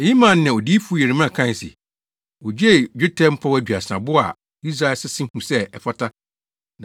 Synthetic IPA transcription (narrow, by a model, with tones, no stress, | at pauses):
ji˦mã˨n˦nɪ̃˨ɔ˨diː˦fu˦jɛ˨ɾi˨mã˦˨kʰã˦˨sɪ̰˨ | ɔ˨d͡ʑe˦˨d͡ʑᶣʊ˦tʰɛ̃˦m̩˦pʰɔ˦wæ˨d͡ʑᶣɥa˨sɪ˨ã˨bʊ˦a̰˨ | i˦s̬a˦ɛ˨sɪ˦sɪ̃˦hũ˨sɛ˦ɛ˨fa˦tʰa˦ | nã˨